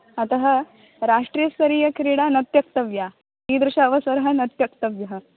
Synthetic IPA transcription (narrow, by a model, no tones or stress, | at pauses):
ɐt̪ɐɦɐ | ɾaʂʈɾiːjɐsɐɾiːjɐkʰɾiɽanɐt̪jɐk̚t̪ɐʋja | ɦiːd̪ɾuʂɐːʋɐsɐɾɐɦɐnɐt̪jɐk̚t̪ɐʋjɐɦə